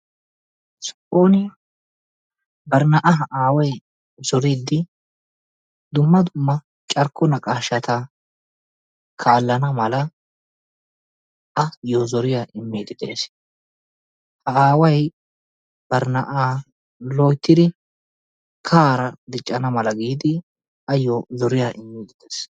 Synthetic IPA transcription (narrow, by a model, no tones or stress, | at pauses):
sɔ̥ʔoːnɪ | bɐɾnɐʔɐɦɐʔaːwɐj | z̥ɔɾiːd̪ɪ | d̪ʊmːɐd̪ʊmːɐ | t͡ʃʼɐɾkʰːɔnɐkʼaːʃɐt̪a | kʰaːlːɐnɐmɐlɐ | ʔɐjozɔɾɪjaʔɪmːiːd̪ɪd̪ḛːs | hɐaːwɐj | b̥ɐɾnɐʔaː | loːjt̪ːɪd̪ɪ | kʰaːɾɐd̪ɪt͡ʃʼːɐnɐmɐlɐɡiːd̪ɪ | ʔɐjoːzɔɾɪjaʔɪmːiːd̪ɪd̪̥es